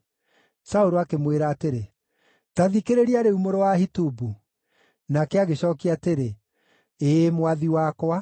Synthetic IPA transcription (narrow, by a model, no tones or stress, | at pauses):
saoɾoakemweɾaːteɾe | taðikeɾeɾiaɾeumoɾowahitubu | nakɛaɣeɕɔːkiateɾe | emwaðiwakwa